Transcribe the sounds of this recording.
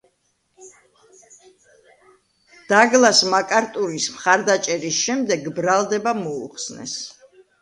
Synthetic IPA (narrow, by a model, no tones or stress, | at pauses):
d̪̥aɡlˠasmakʼaɾt̪ʼuɾismχaɾd̪at͡ʃʼɛɾisʃɛmd̪ɛɡbɾalˠd̪ɛbamɔṵχsnɛ̰s